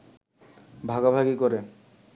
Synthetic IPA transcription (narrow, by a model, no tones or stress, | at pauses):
bʱaɡabʱaɡikɔɾe